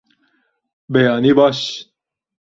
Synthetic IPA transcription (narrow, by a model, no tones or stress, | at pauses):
bɛjɑːniːbɑːʃ